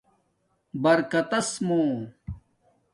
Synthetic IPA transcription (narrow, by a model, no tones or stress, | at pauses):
bɐɾkɐt̪ɐsmõː